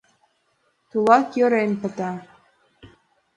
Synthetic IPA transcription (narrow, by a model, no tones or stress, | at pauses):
t̪ulˠɑkjø̆ɾenpə̆t̪ɑ